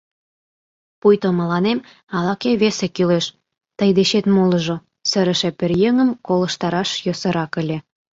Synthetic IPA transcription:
pujt̪oməlɑnem | ɑlɑkeβesekyleʃ | t̪əjd̪eɕet̪moləʒo | sə̆ɾə̆ʃĕperjeŋəmkolə̆ʃt̪ɑɾɑʃjosə̆ɾɑkə̆lʲe

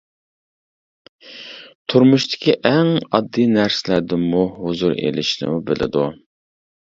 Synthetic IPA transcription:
t̪ʰuɾmuʃt̪ʰɪ̥kʲʰiʔɛŋɑd̪ːinæɾsɪlæɾd̪ɪmuhʊzuɾḛlɪ̰ʃnɪ̰mubɪlɪ̰d̪u

